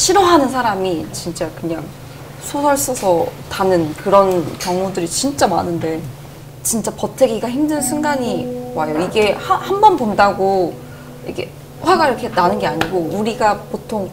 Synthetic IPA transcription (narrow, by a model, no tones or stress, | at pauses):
ɕʰiɾoɦanɯnsʰaɾamit͡ɕint͡ɕ͈akɯɲaŋ | sʰosʌɭs͈ʌsʰʌtanɯnkɯɾʌnkjʌŋudɯɾit͡ɕint͡ɕ͈ama̰nɯnde̞ | t͡ɕint͡ɕ͈apʌtʰeɡiɡaçimdɯnnsʰuŋɡaɲiwajoiɡe̞hahambʌnpomdaɡo | jḭkʰe | ɸwaɡaiɾʌkʰenanɯnɡe̞aɲiɡouɾiɡapotʰoŋ